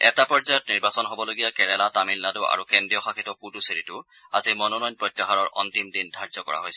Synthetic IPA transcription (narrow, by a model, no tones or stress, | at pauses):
ɛtapɔɹzajɔtniɹbasɔnɦobɔloɡijakɛɹɛlatamilnadʊʔa̰ɹukɛndɹijɔxakitɔpuduseɹitʊ | a̰zimɔnɔnɔjnpɹɔjtːaɦaɹɔɹʔɔ̰ntimdindʱaɹzɔkɔ̰ɹa̰ɦojsɛ